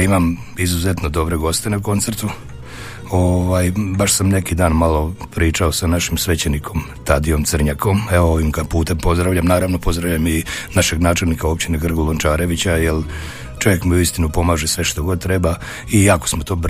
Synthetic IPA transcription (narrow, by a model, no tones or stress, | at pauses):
imam | izuze̞t̪no̞d̪o̞bɾeɡo̞st̪e̞nako̞nt̪seɾt̪u | oʋaːjbaʃsamne̞kid̪aːnmalo̞pɾiːt͡ʃao̞sanaʃimsʋe̞t͡ɕenikʰo̞m | t̪ad̪ijo̞msr̩ɲako̞meooʋimkapuːt̪empo̞zd̪ɾaʋʎamnaːɾaʋno̞po̞zd̪ɾaʋʎaminaʃeɡnaːt͡ʃe̞lnikao̞pt͡ɕineɡr̩ɡolˠont͡ʃaːɾe̞ʋit͡ɕajel | t͡ʃoje̞kmiuist̪inupo̞maːʒesʋe̞ʃt̪o̞ɡo̞d̪̚t̪ɾe̞ba | iakosmo̞t̪o̞ːb